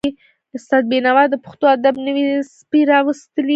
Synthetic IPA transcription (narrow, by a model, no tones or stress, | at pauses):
i | d̪əsad̪̚benawɑd̪əpə̥xt̪oad̪abnəwispiɾɑwəst̪əli